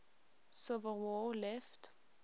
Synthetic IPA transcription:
sovəwɔlɛft

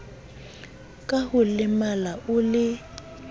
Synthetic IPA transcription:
kʼahʊlɪmalaʔʊlɪ

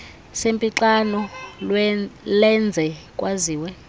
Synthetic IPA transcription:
sempʼiǁanɔllɛnd͡zʱɛkʼwaziːwɛ

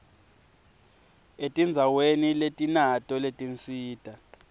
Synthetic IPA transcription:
etʼind͡zʱaweniletʼinatʼɔletʼint͡siːtʼa

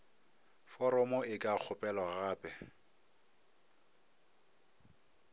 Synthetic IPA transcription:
fɔɾɔmɔɪkʼak͡xʰʊpʼɛlɔɣaːpʼɛ

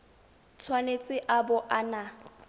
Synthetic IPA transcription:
t͡sʰwanet͡sʼɪʔabʊʔana

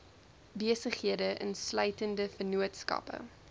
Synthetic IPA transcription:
biəsəχhiədəʔə̰nslœɥtəndəfənuətskɐ̰pə̰

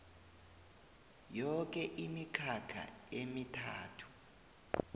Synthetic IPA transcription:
jɔk̬ʼɛʔimikʰakʰa̰emitʰaːtʰu̥

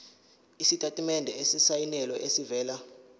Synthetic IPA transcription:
isitʼatʼimɛndʱɛesisajinɛlɔʔesivɛːla

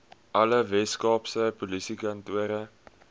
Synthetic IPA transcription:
ʔɐləvɛskɑːpsəpolisikɐntuəɾə

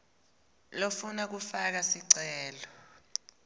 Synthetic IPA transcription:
lofunak̬ufak̬asiǀɛːlɔ

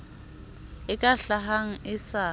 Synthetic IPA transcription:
ɪkʼaɬaɦaŋ̩ɪsa

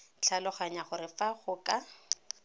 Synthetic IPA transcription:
t͡ɬʰalɔχaɲaχʊɾɪfaχʊkʼa

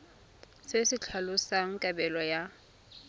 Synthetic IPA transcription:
sesɪt͡ɬʰalʊsaŋ̩kʼabɛlɔja

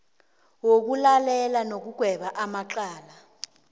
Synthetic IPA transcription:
wok̬ulalɛlanok̬uɡ̥ʱwɛɓaʔamaǃaːla

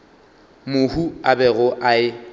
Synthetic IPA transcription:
mʊhuabɛɣʊʔaɪ

